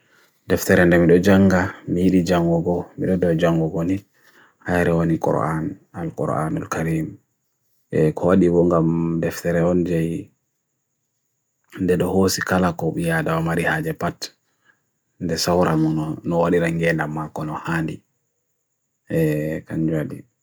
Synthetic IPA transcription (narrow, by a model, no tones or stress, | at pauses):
dɛftɛɾɛndɛmiɗɔd͡ʒaŋɡamijiɗid͡ʒaŋɡɔɡɔmiɗɔdɔd͡ʒaŋɡɔɡɔni | hajɾɛwanikɔ̰ɾa̰nalkɔ̰ɾʔa̰nulkaɾim | ɛkʰɔwaɗibɔŋɡamdɛftɛɾɛɔnd͡ʒɛj | ndɛɗɔhosikalakɔɓijadawamaɾihaːd͡ʒɛpat | ndɛsawɾamɔnɔwaɗiɾaŋɡɛndamːakɔnɔhaːndi | ɛkaɲd͡ʒaɗḭ